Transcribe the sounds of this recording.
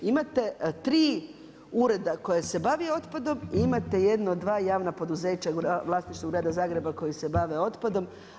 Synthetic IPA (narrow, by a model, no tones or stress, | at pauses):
imat̪e̞t̪ɾiː | uɾe̞d̪ako̞jese̞baʋio̞t̪pad̪o̞miimat̪e̞je̞d̪nood̪ːʋaːjaːʋnapo̞d̪uze̞ːt͡ɕaɡʋlˠaːsnit͡ʃt̪oɡɾaːd̪azaːɡɾe̞bako̞jise̞baʋe̞o̞t̪pad̪o̞m